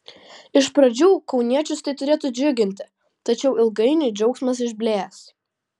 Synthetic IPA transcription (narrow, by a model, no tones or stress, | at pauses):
ɪʃpɾɐd͡ʒʲuːkɒʊnʲiɛt͡ʃʲʊst̪ɐɪt̪ʊɾʲeːt̪ʊd͡ʒʲʊɡʲɪnʲt̪ʲɪ | t̪ɐt͡ʃʲɛʊɪlˠɡɐɪnʲʊd͡ʒʲɛʊksmɐs̬ɪʒʲbʲlʲeːs